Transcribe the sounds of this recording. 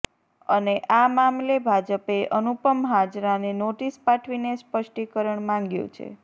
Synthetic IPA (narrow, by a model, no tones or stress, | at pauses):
əneʔamamlebʱad͡ʒəpeʔənupəmɦad͡ʒɾanenoʈispaʈʰʋinespəʃʈikəɾəɳmãŋɡjṵ̃t͡ʃʰḛ